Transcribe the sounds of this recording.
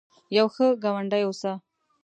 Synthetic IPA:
jawxəɡawaɳɖajosa

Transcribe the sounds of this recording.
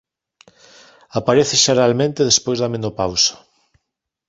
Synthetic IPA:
apaɾeθɪʃaɾalmẽnt̪eðespojzðamẽnopawsḁ

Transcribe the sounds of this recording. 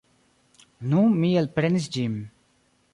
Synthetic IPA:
nũmiːəlpɾens̬d͡ʒim

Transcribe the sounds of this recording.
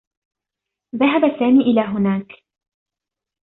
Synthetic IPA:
ðaɦabasːaːmiːʔɪlaːɦʊnaːk

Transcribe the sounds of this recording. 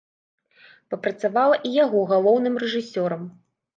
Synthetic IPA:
pɐpɾɐt̪savalˠɐʔijaɣɔɣalˠɔwnɨmrɛʐɨsʲɔɾɐm

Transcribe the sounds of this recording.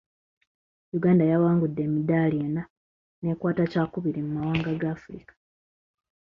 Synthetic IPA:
juɡaːndajawaːŋɡudːe̞ːmidaːlieːna | ne̞ːkwaːtacaːkuβiɾimumawaːŋɡaɡaːfuɾḭkḁ

